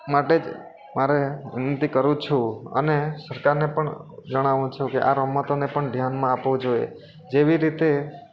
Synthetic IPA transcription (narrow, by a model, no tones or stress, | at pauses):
maʈed͡ʒ | maɾeʋɪ̰nənt̪ikəɾũt͡ʃʰũə̰nesəɾkaɾnepəɳd͡ʒəɽ̃aʋũt͡ʃʰũkeʔa̰ɾɔmːət̪onepəɳd̪ʱjanmãapʋũd͡ʒoḛ | d͡ʒeʋiɾit̪e